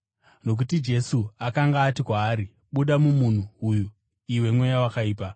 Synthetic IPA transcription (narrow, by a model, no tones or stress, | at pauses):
no̞k̬utid͡ʒe̞suakaŋɡaːtikwaːɾi | ɓuɗamumun̤uːju | iwe̞mwe̞jawakaiːpa